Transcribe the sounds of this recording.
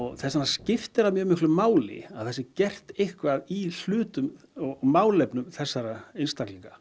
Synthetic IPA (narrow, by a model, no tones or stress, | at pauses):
ɔɣθɛsanːascɪft̪ɪɾavmjœːmɪhklʏmaːwlɪ̰aðθɛsːɪcɛr̥t̪ejhkvaðil̥ʏːt̪ʏm | ɔɣmaːwlɛpnʏmθɛsːaɾaeɪjnst̪akliŋka